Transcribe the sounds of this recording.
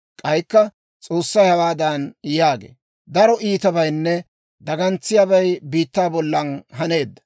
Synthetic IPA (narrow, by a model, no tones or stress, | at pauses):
kʼɐjkːɐ | t͡sʼo̞ːsːɐjhɐwaːd̪ɐnjaːɡḛː | d̪ɐɾɔʔiːt̪ɐbɐjnːɛ | d̪ɐɡɐnt͡sːɪjaːbɐjbiːt̪ːaːbɔlːɐnɦɐne̞ːd̪ːɐ̥